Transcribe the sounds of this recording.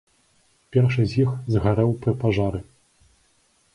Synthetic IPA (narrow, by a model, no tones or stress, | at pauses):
pʲɛrʂɨzʲjixzɣaɾɛwpɾɨpaʐaɾɨ